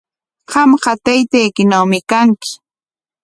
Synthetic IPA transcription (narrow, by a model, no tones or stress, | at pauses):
ɢɑmɢɑt̪ajt̪ajkɪnawmɪkaŋkɪ̥